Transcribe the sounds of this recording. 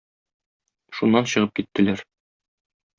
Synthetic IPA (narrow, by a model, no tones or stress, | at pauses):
ʃunːɑnɕɤ̆ʁɤp̚kit̪ːɘ̆læɾ